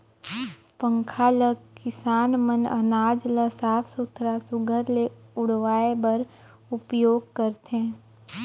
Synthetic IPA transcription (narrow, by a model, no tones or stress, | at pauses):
pə̃ŋkʰaːləkɪsaːnmənə̰naːd͡ʒləsaːpʰsʊt̪ʰɾasʊɡʱəɾleʊɽʋaːebəɾ | ʊpjoːɡ̚kəɾt̪ẽː